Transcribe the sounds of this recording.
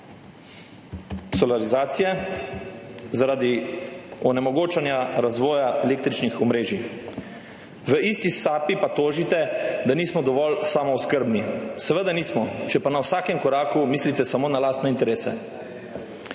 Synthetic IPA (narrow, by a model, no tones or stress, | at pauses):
sɔlaɾizaːt̪sijɛ | zaɾaːd̪i | ɔnɛmɔɡoːt͡ʃanjaɾazʋɔːjaeleːk̚t̪ɾit͡ʃnixɔmɾeːʒi | ʋəist̪isaːpipat̪oːʒit̪ɛd̪aniːsmɔd̪ɔʋɔlsaːmɔuskəɾbnisɛʋəd̪aniːsmɔt͡ʃɛpanawsaːkɛmkɔɾaːkumiːslit̪ɛsamoːnalaːst̪nɛint̪ɛɾeːsɛ̰